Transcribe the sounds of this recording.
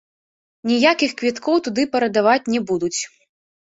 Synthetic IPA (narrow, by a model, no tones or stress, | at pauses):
nʲijakʲixkvʲit̪kɔwt̪ud̪ɨpɐɾɐd̪avat͡sʲnʲɛbud̪ut͡sʲ